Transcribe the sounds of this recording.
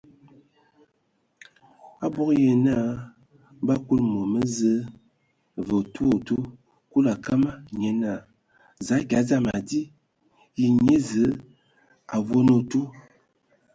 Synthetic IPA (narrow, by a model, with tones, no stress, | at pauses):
a̰˦bo˦kje˨na˦˨ | ba˦ku˦lmo˨mə˦zə˦ | və˨tu˦o˨tu˦ | ku˦la˨ka˦ma˦ɲe˨na˦˨ | za˨˦ɡʲa˨˦za˦ma˨di˦ | ji˨ɲe˦zə˨˦ | a˨vo˦no˨tu˦